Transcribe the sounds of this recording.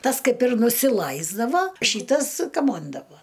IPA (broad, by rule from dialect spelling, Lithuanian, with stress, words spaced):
ˈtɐs ˈkɐɪp ɪr nʊsʲɪˈlˠɐɪzdɐʋɐ ˈʃʲiːtɐs kɐˈmoːndɐʋoː